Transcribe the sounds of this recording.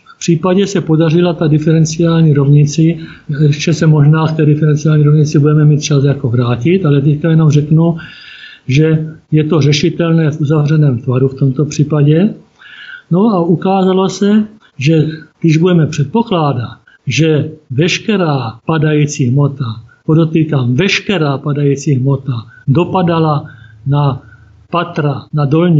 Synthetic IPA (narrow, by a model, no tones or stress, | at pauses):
fpr̥iːpaɟɛsɛpodarɪlat̪adɪfɛɾɛnt͡sɪaːlɲiːɾovɲɪt͡sɪ | ʃt͡ʃɛsɛmo̞ʒnaːkt̪ɛːdɪfɛɾɛnt͡sɪaːlɲiːɾovɲɪt͡sɪbudɛmɛmiːt̪̚t͡ʃasjako̞vɾaːcɪt̪alɛt̪̬ɛckajɛnomrɛknu | ʒɛjɛt̪o̞r̝ɛʃɪt̪ɛlnɛːfuzavr̝ɛnɛːmt̪vaɾuft̪omt̪opr̥iːpaɟɛ | noaukaːzalosɛ | ʒɛɡdɪʒbudɛmɛpr̝̥ɛt̪̚poklaːdat̪ | ʒɛvɛʃkɛɾaːpadajiːt͡siɦmot̪apod̪ot̪iːkamvɛʃkɛɾaːpadajiːt͡siɦmot̪ad̪opadalana | pat̪ɾanadolɲi